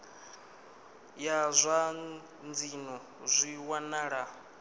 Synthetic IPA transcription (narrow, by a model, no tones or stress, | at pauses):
jazʷa | nd͡zinɔ | zʷiwanaɺa